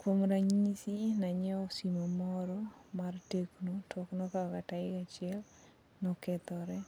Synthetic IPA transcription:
kwomɾaɲisinaɲɛɔsimomɔɾɔmarteknotʰɔknɔkakataɪkat͡ʃɪɛl | nɔkɛt̪ɔɾɛ

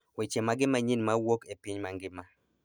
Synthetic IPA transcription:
wet͡ʃemaɡɪmaɲinmawokepɪɲmaŋɡɪma

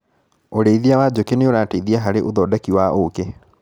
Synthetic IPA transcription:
oɾeiðiawaːd͡ʑokeneoɾaːteiðiaɦaɾeʔoðɔːdakiwaʔoke

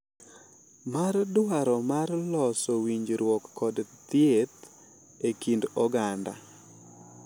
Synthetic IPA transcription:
mardaɾɔmarlɔsɔwiɲd͡ʒɾwɔkːɔdt̪ɪet̪ | ekindɔɡanda̰

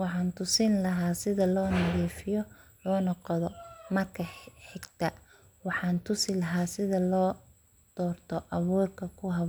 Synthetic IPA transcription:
wɑħɑːnt̪ʰʊsɪnlɐɦaːsɪðɐlɔːnɐðiːfɪjɔ | lɔːnɔqɔðɔmɐrkʰɐħɪɡt̪ʰɐ | wɑħɑːnt̪ʰʊsɪlɐɦaːsɪðɐlɔː | d̪̥ɔːrt̪ʰɔʔɑβuːrkʰɐkʰʊɦɐβ

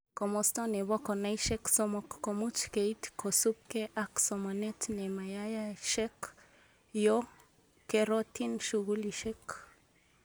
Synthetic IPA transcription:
komost̪oneβokonajʃeksomokːomut͡ʃkeit̪kʰosup̚keʔaksomanet̪nemajajaʃek | jo | keɾot̪inʃuɡuliʃek

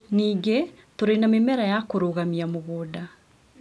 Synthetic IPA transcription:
niːɡe | toɾenamemɛɾajakoɾoɣamiamoɣoːda

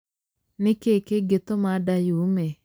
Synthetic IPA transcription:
nɪkekeɡet̪omadajume

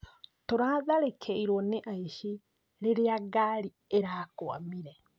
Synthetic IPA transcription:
toɾaðaɾekʰeiɾwɔneʔaiʃi | ɾeɾeaɡaːɾi | eɾakwa̰miɾɛ

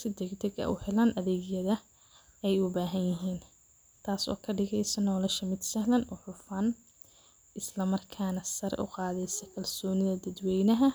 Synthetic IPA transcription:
sɪd̪ɛɡd̪ɐɡɐ̰ʔʊ̰hɛlaːnʔɐðɛːɡjɐðɐ | ɛjʊbaːɦɐnjɐɦiːn | t̪ʰaːsɔ̰ːkʰɐɖɪɣɛjsɐnɔːlɛʃɐmɪd̪sɐhlɐnʔɔːħʊfaːn | ʔɪslɐmɐrkʰaːnɐsɐɾʔʊ̰qɑːðɛjsɔkʰɐlsɔːnɪðɐd̪ɐd̪wɛjnɐɦɐ

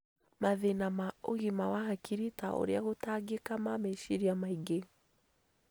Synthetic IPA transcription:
maðenamao̰ɣimawahakʰiɾita̰ʔo̰ɾeaɣotaɡekamameʃiɾiamaiɡe

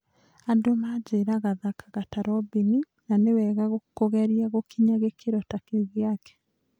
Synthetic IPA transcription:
adomad͡ʒeɾaɣaðakḁɣataɾɔbeni | nanewɛɣaɣokoɣɛɾiaɣokiɲaɣekʰeɾɔtakeɣeaɣɛ̥

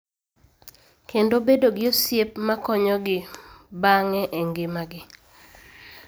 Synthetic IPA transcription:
kendobedoɡɪosjepmakɔɲɔɡɪbaŋɛʔeŋɡɪmaɡɪ

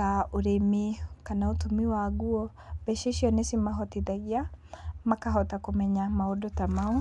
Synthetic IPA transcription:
aoɾemikanaotomiwaɡuɔ | bɛʃeʃiɔnesimaɦɔtiðaɣiamakaɦɔtakomɛɲamaodotamau

